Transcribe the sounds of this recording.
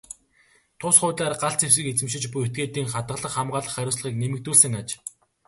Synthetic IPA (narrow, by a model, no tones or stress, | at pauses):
t̪ʰʊsχʊːt̪aːrɢaɬt͡sews̬ɘ̆ket͡sɘ̆mʃɪ̆t͡ɕpujet̪̚ɡeːt̪iːŋχat̪ɢə̆ɮə̆χːamɢaːɮə̆χːæɾʲʊːsɮə̆χiːknemɘ̆k̚t̪uːsɘ̆ŋat͡ɕ